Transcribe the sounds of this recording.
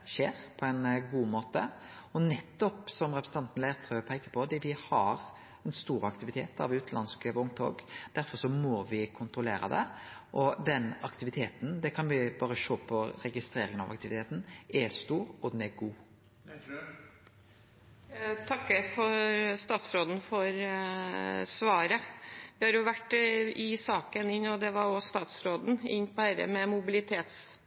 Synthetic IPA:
ʃeːɾpʰɔɛnɡuːmoːt̪əɔnɛt̪ːɔpsɔmɾɛpɾsət̪ɑnt̪n̩leːɾt̪ʰɾøəpʰæɪkəpʰɔd̪ɛʋɪhɑɾ | ɛnst̪uːɾɑkt̪ɪʋɪt̪ʰḛːt̪ɑ̰ʋʉːt̪nlɑ̰nskəʊŋt̪ʰo̰ːɡd̪̥æɾfɔɾsɔmɔʋɪkʰʊnt̪ɾʊleːɾə̰d̪ɛ̰ʔɔd̪ɛnɑkt̪ɪʋɪt̪ʰeːt̪n̩d̪ɛkʰɑnʋɪbɑːɾəʃoːpʰɔɾɛɡɪst̪ɾeːɾɪŋənɑ̰ʋɑ̰k̚t̪ɪʋɪt̪ʰeːt̪n̩ɛst̪uːɾɔd̪ɛnɛɾɡuː | t̪ʰɑkːəfɔɾst̪ɑːt̪sɾoːd̪n̩fɔɾ | sʋɑːɾəʋɪhɑɾjʊʋæʈːɪsɑːkənɪnːɔd̪ɛʋɑɾɔst̪ɑːt̪sɾoːd̪n̩ɪ̰nːpɔhæɾə̰mɛmʊbɪlɪt̪ʰeːt̪s

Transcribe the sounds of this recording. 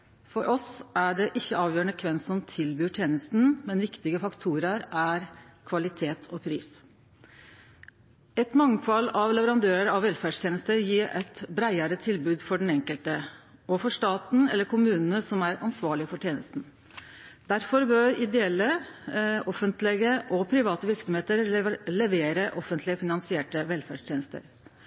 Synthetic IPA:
fɔɾʔɔsæɖɛʔɪçːəɑːʋjøːəɳəkʰʋɛnsɔmt̪ʰɪlbyːʈʰjeːnəst̪n̩mɛnʋɪkt̪ɪɡəfɑkt̪ʰuːɾəɾæɾkʰʋɑlɪt̪ʰeːt̪ʰɔpʰɾiːs | ɛt̪mɑŋfɑlːɑʋlɛʋəɾɑnd̪øːɾəɾɑʋɛlfæɖʂt̪ʰjeːnəst̪əɾjiːʔɛt̪bɾæɪəɾət̪ʰɪlbʉːd̪fɔɖɛn̩ɛŋkəlt̪əɔfɔʂt̪ɑːt̪n̩ɛ̰lːəɾkʰʊmʉːnn̩əsɔmæɾɑnsʋɑːɭɪəfɔʈʰjeːnə̰st̪n̩ | d̪æɾfɔɾbøɾɪd̪ɛɛlːə | ʔɔfənt̪lɛɡəʔɔpʰɾɪʋɑːt̪əʋɪɾksɔmheːt̪əɾlɛʋeːɾəʔɔfənt̪ʰlɪəfɪnɑnsɪɛːʈəʋɛlfæ̰ɖʂʈ̪ʰjeːnəst̪ə̰ɾ

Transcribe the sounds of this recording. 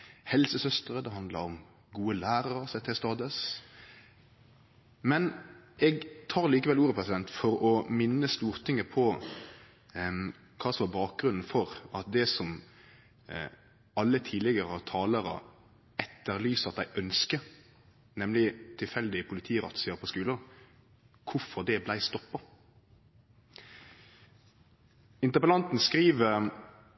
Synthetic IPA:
hɛlsəsœst̪ʁəd̪ɛɦɑnd̪lɑ̰ɾɔm | ɡuːəlæːɾəɾəsɛt̪hɪst̪ɑːd̪əs | mɛnʔɛɡt̪ʰɑːɾliːkəʋɛluːɾəpʰʁɛsɪd̪ɛnt̪fɔɾɔmɪnːəst̪uːʁt̪ʰɪŋːəpʰɔ | kʰɑːsɔʋɑbɑːk̚ɡɾʉnn̩fɔɾɑt̪̚d̪ɛsɔm | ɑlːət̪ʰiːd̪lɪɡəʁət̪ʰɑːləɾə̰ | ɛt̪ːəʁlyːsɑt̪̚d̪æɪʔœnskə | nɛmlɪt̪ʰɪlfɛld̪ɪpʰʊlɪt̪ʰiːɾɑ̰t̪seːəpʰɔskʉːlə | kʰʊfɔʁd̪ɛblæɪst̪ɔpːɑ | ɪnt̪əʁpəlɑnt̪n̩skɾiːʋə

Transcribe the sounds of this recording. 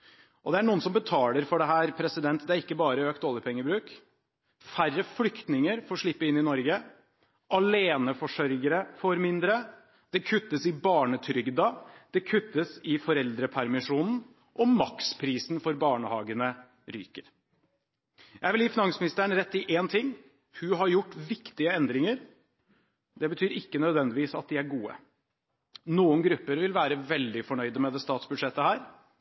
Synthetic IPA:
ʔɔd̪ɛæɳuːənsɔmbət̪ʰɑːləɾfɔɖɛɦæːɾpʰɾɛsɪd̪ɛnt̪d̪ɛæɾɪkːəbɑːɾəøːkt̪oːləɾpʰɛŋːəbɾʉːk | færːəflʏkt̪nɪŋəɾfɔɾʂɭɪpːəɪnːɪnɔɾɡə | ʔɑleːnəfɔʂœɾɡəɾəfɔɾmɪnd̪ɾə | d̪̥ɛkʰʉt̪ːəsɪbɑːɳət̪ʰɾʏɡd̪ɑd̪̥ɛkʰʉt̪ːəsɪfɔɾɛld̪ɾəpʰæɾmɪʂuːnn̩ | ʔɔmɑkspʰɾiːsnfɔɾbɑːɳəhɑːɡənə | ɾy̰ːkəɾ | jæʋɪliːfɪnɑŋsmɪnɪst̪əəɳ̩ɾɛt̪ːɪʔeːnt̪ʰɪŋː | hʉɦɑɾjʊʈːʋɪkt̪ɪəɛnd̪ɾɪŋəɾ | d̪ɛbət̪ʰyːɾɪkːənœd̪ʋɛnd̪ɪʋiːsɑ̰t̪̚d̪ɪæɾɡuːə̰ | nuːənɡɾʉpːəɾʋɪlʋæːɾəʋɛld̪ɪfɔɳœʏd̪əmɛd̪ɛst̪ɑːt̪sbʉd̪ʂɛt̪ːəhæːɾ

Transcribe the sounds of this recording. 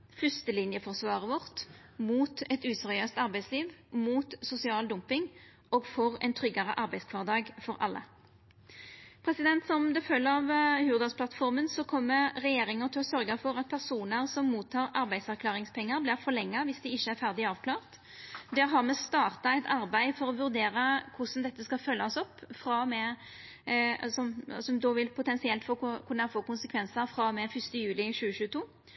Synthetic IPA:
fʏst̪əlɪnjəfɔʁsʋɑːʁəʋɔʁt̪ | muːt̪ɛt̪ʉːsɛʁɪøːst̪ɑʁbæɪsliːʋmuːt̪sʊsɪɑːld̪ʊmpɪŋ | oːɡfɔʁɛ̰ɪnt̪ʰʁʏɡɑʁə̰ʔɑɾbæɪskʰʋɑːʁd̪ɑːɡfɔɾʔɑ̰lːə̰ | pʰʁɛsɪd̪ɛnt̪sɔmd̪ɛfœlːəɑʋhʉːʁd̪ɑspʰlɑt̪fɔʁmənsɔkʰɔmːəɾɛjeːɾɪŋət̪ʰɪlɔsœɾɡəfɔɾɑt̪̚pʰæʁsuːnəɾsɔmːuːt̪ʰːɑːɾɑɾbæɪsæʁkʰlɑːɾɪŋspʰɛŋːəɾblɪɾfɔɾlɛŋːɑʋɪsd̪ɪɪçːəæɾfæʁd̪ɪɑːʋkʰlɑːʁt̪ | d̪ɛɾɦɑmɛst̪ɑːʁt̪ɑɛɪt̪ʰɑɾbæɪfɔɾɔʋʉɾd̪eːɾəkʰʊsn̩d̪ɛt̪ːəskɑfœlːɑɔsɔpːfɾɑmɛ | sɔmsɔmd̪oːʋɪlpʰʊt̪ʰɛnsɪɛlt̪fɔkʰʊɳnɑfoːkʊnsəkʰʋɛnsəɾfɾɑmɛfʏst̪əjʉːlɪɕʉːəɕʉːət̪ʰuː

